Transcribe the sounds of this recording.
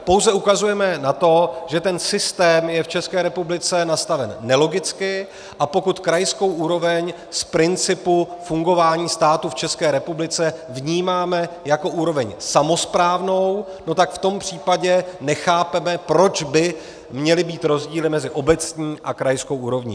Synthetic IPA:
po̞wzɛukazujɛmɛnat̪o̞ʒɛt̪ɛnsɪst̪ɛːmjɛft͡ʃɛskɛːɾɛpublɪt͡sɛnast̪avɛnːɛlo̞ɡɪt͡skɪ | ʔapo̞kut̪kɾajsko̞wʔuːɾo̞vɛɲ | spɾɪnt͡sɪpufuŋɡo̞vaːɲiːst̪aːt̪uft͡ʃɛskɛːɾɛpublɪt͡sɛvɲiːmaːmɛjako̞ʔuːɾo̞vɛɲsamo̞spɾaːvno̞w | no̞t̪akft̪o̞mpr̝̥iːpaɟɛnɛxaːpɛmɛpɾo̞t͡ʃbɪ | mɲɛlɪbiːt̪ɾo̞zɟiːlɪmɛzɪʔo̞bɛt͡sɲiːʔakɾajskowʔuːɾo̞vɲḭː

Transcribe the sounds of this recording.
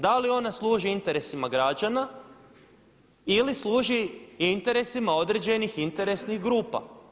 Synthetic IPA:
d̪alio̞naslˠuːʒiint̪e̞ɾesimaɡɾad͡ʑana | ilisluːʒiint̪e̞ɾe̞simao̞d̪ɾed͡ʑe̞nixint̪e̞ɾe̞sniɣɡɾuːpa̰

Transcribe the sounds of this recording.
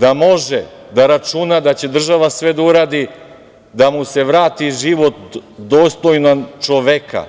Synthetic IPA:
d̪amo̞ʒed̪aɾat͡ʃunad̪at͡ɕe̞d̪r̩ʒaʋasʋe̞d̪auɾaːd̪i | d̪amuse̞ʋɾaːt̪iʒiʋo̞t̪d̪oːst̪ojnat͡ʃoʋekʰa̰

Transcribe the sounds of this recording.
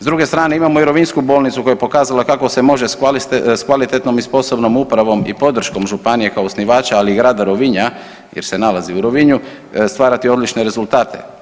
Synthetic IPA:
zd̪ɾuɡe̞st̪ɾaːne̞imamo̞iɾoʋinskubo̞ːlˠnit̪sukojapo̞kaːzalakako̞se̞mo̞ʒeskalskʋalit̪et̪no̞mispo̞so̞bno̞mupɾaʋo̞mḭpo̞d̪r̩ʃko̞mʒupanije̞kaosniʋaːt͡ʃaaliːɡɾaːd̪aɾoʋiɲa | jeɾse̞nalaziuɾoʋiɲu | st̪ʋaːɾat̪io̞d̪lit͡ʃne̞ɾe̞zulˠt̪aːt̪ʰe̞̰

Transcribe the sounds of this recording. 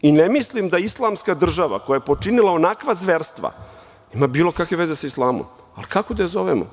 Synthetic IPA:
inemislimd̪aislˠamskad̪r̩ʒaʋa̰ko̞jajepo̞t͡ʂinilao̞nakʋazʋeɾst̪ʋa̰ | imaːbiːlˠo̞kakʋe̞ʋezesaislˠaːmo̰m | alikakod̪ajzoʋemo̰

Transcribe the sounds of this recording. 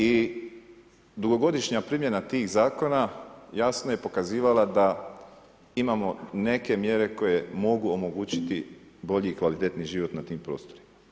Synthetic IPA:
i | d̪uɡo̞ɡo̞d̪iʃɲapɾimje̞nat̪iːxzaːko̞najasnoje̞po̞kaziːʋalad̪a | imamo̞ne̞ke̞mje̞ɾe̞ko̞je̞mo̞ɡuomo̞ɡuːt͡ɕit̪ibo̞ʎiːkʋalit̪e̞t̪niʒiːʋo̞t̪nat̪iːmpɾo̞ːst̪o̞ɾima

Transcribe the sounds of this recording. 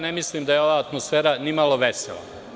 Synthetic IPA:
nemisliːmd̪ajeo̞ʋaːt̪mosfeːɾanimalˠo̞ʋesḛla̰

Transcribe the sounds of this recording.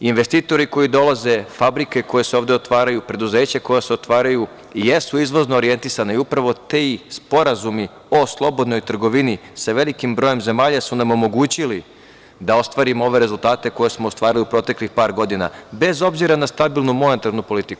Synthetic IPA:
inʋe̞st̪iːt̪o̞ɾiko̞jid̪o̞lˠaze̞fabɾike̞ko̞je̞seo̞ːʋd̪e̞ot̪ʋaːɾajupɾe̞d̪uzeːt͡ɕako̞jase̞ot̪ʋaːɾaju | jesuizʋo̞znoːɾije̞nt̪isanaiupɾaʋo̞t̪espo̞ɾazumi | o̞slˠo̞bo̞d̪no̞jt̪r̩ɡo̞ʋinisaʋe̞likimbɾo̞je̞mze̞maːʎasunamo̞mo̞ɡuːt͡ɕili | d̪ao̞st̪ʋaːɾimoo̞ʋe̞ɾe̞zulˠt̪aːt̪e̞ko̞je̞smoːst̪ʋaːɾiliupɾo̞ːt̪e̞klixpaːɾɡo̞d̪ina̰be̞zo̞bziɾanast̪abilˠnumonet̪aɾnupo̞lit̪iku̥

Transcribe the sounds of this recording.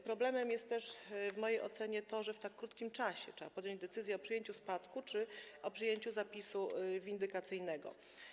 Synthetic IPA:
pɾɔblɛmɛmjɛst̪t̪ːɛʂvmɔjejʔɔt̪sɛɲɛt̪ɔʐɛft̪akːɾut̪kʲimt͡ʂaɕɛtʂɛbapɔd̪jɔ̃ɲd͡ʑd̪ɛt̪sɘzʲjɛɔpʂɘjeɲt͡ɕuspat̪kut͡ʂɘʔɔpʂɘjeɲt͡ɕuzapʲisuvʲind̪ɘkat̪sɘjnɛɡɔ̰

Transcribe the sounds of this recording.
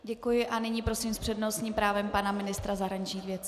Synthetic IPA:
ɟɛkujɪʔanɪɲiːpɾo̞siːmspr̥ɛdnost̪ɲiːmpɾaːvɛmpanamɪnɪst̪ɾazaɦɾaɲɪt͡ʃɲiːxvjɛt͡s

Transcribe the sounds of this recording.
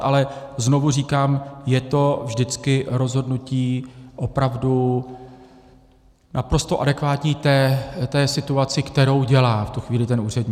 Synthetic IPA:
ʔalɛzno̞vuriːkaːmjɛt̪o̞vʒdɪt͡skɪɾo̞zɦo̞dnuciːʔo̞pɾavdu | nʔapɾo̞st̪oʔadɛkvaːt̪ɲiːt̪ɛːt̪ɛːsɪt̪uat͡sɪkt̪ɛɾo̞wɟɛlaːft̪uxviːlɪt̪ɛnʔuːr̝ɛdɲː

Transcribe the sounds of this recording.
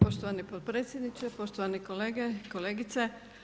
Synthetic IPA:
po̞ʃt̪oʋanipot̪̚pɾeːt̪sʲjed̪nit͡ʃepo̞ʃt̪oʋanikoleːɡekoleːɡit̪se

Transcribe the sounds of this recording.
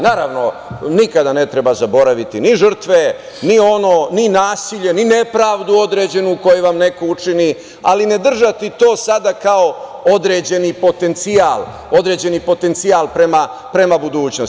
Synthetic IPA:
naːɾaʋno̞nikad̪ane̞t̪ɾe̞bazabo̞ɾaʋit̪iniʒər̩t̪ʋe̞ | nio̞noːninaːsiʎe̞nine̞pɾaːʋd̪uo̞d̪ɾe̞ːd͡ʑe̞nuko̞jeʋamne̞ko̞ut͡ʂini | aline̞d̪r̩ʒat̪it̪o̞ːsad̪akao̞o̞d̪ɾe̞ːd͡ʑe̞nipo̞t̪e̞nt̪siaːlˠ | o̞d̪ɾed͡ʑe̞nipo̞t̪e̞nt̪siaːlˠpɾema | pɾe̞mabud̪uːt͡ɕnos

